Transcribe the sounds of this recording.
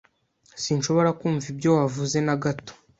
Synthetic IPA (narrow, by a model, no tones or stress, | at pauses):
sinʃo̞βo̞ɾakuːɱvibjo̞wavuze̞naɡato̥